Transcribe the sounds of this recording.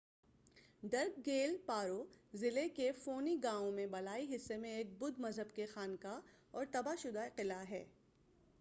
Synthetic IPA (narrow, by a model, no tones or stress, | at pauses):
ɖɐɾk̚ɡeːlpaːɾozɪlekefoːniɡãːõmẽbɐlaːiɦɪsːemẽeːk̚bʊd̪mɐzɦəbkexaːnka | ɔːɾt̪ɐbaʃʊd̪aqɪlaɦɛ̰ː